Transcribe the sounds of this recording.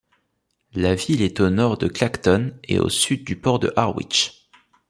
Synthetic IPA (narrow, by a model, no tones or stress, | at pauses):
lavilɛt̪onɔʁd̪əklakt̪ɔnḛo̰syd̪̚ːypɔʁd̪ə̰ʔaʁwḭt͡ʃ